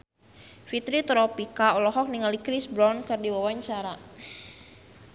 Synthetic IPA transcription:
fit̪ɾit̪ɾɔpikaɔlɔɦɔk̚niŋalikɾisbɾɔnkɨrdiwawaɲt͡ʃaɾa

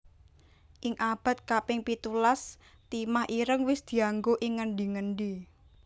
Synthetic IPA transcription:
ʔɪŋʔab̥a̤t̪̚kapɪŋpit̪ulas | t̪imahiɾəŋwɪsd̪̥i̤aŋɡoʔɪŋːəɳɖiŋəɳɖi

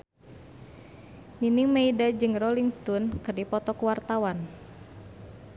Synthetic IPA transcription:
niniŋmeidad͡ʒɨŋrɔliŋst̪ɔnkɨrdipɔt̪ɔkwart̪awan

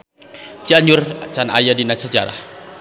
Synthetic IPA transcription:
t͡ʃiaɲʊrt͡ʃana̰jadinasad͡ʒa̰ɾa̰h

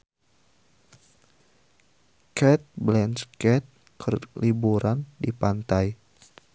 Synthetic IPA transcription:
kʰɛt̪̚blɛnskɛt̪̚ | kʰərlibuɾandipant̪aj

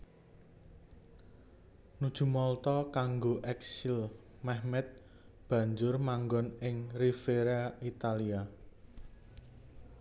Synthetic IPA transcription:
nud̥ʒ̥ṳmɔlt̪ɔkaŋɡoʔɛksil | mɛhmɛt̪̚ | b̥ä̤ɲd͡ʒʊrmaŋɡɔnɪŋrifeɾait̪alia

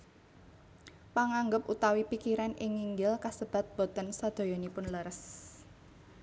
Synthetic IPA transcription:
paŋaŋɡəp̚ʔut̪awipikiɾanʔɪŋːiŋɡɪlkasəb̥a̤t̪̚b̥o̤t̪ənsad̪̥o̤jɔnipʊnləɾəs

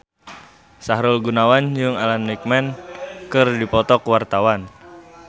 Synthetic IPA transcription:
saɦɾʊlɡunawand͡ʒɨŋalanːik̚mɛnkɨrdipɔt̪ɔkwart̪awan

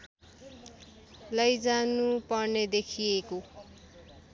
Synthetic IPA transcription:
lʌjd͡zanupʌrned̪ekʰijeko

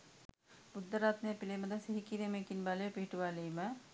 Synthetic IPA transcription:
bud̪ːɐɾaːt̪nepilemɐd̪ɐsiɦikiɾemẽkinbaːlepiːʈuʋaːliːmɐ

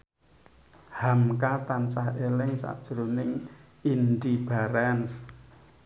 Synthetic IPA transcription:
hamkat̪ant͡ʃaɦelɪŋsa̰ʔd̥ʒ̥ɾunɪŋ | ind̪ib̥aɾɛns

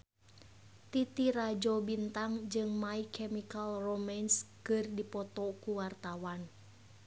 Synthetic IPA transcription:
t̪it̪iɾad͡ʒɔbint̪aŋd͡ʒɨŋmaikʰɛmikalromanskɨrdipɔt̪ɔkuwart̪awan

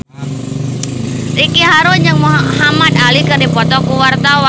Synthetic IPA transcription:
rikiɦaɾʊnd͡ʒaŋmuɦɦamad̪alikɨrdipɔt̪ɔkuwart̪awa

